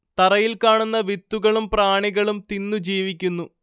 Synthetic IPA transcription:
t̪ɐrɐjilkaːɳunːɐʋit̪ːuɣɐɭumpraːɳiɣɐɭumt̪inːud͡ʑiːʋikʲːunːu

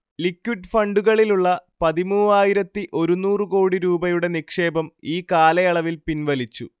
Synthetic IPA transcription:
likːwiɖfɐɳɖuɣɐɭiluɭːɐpɐðimuːaːjiɾɐt̪ːiʔo̞ɾunuːrɨko̞ːɽiɾuːbɐjuɽe̞nikʂe̞ːbɐmiːkaːlɐjɐɭɐʋilpinʋɐlit͡ɕːṵ

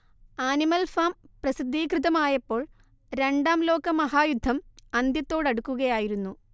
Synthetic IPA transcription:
aːnimɐlfaːmprɐsid̪ʱːiːkrɨðɐmaːjɐpːo̞ːɭ | ɾe̞ɳɖaːmlo̞ːkɐmɐɦaːjud̪ʱːɐmɐnd̪jɐt̪ːo̞ːɽɐɽukːuɣɐjaːjiɾunːu

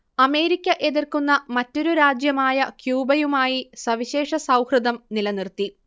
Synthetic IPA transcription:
ɐme̞ːɾikʲːɐʔe̞ðirkunːɐmɐtːo̞ɾuɾaːd͡ʑjɐmaːjɐkjuːbɐjumaːjisɐʋiɕe̞ːʂɐsɐwhrɨd̪ɐmnilɐnirt̪i

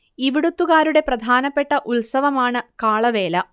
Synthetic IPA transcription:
iʋiɽut̪ːuɣaːɾuɽe̞prɐd̪ʱaːnɐpːe̞ʈːɐʔulsɐʋɐmaːɳɨkaːɭɐʋe̞ːlɐ

